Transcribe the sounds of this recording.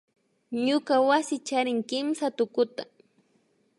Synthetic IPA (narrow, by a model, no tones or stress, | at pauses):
ɲʊkawasɪt͡ʃaɾɪŋkɪmsat̪ʊkʊt̪a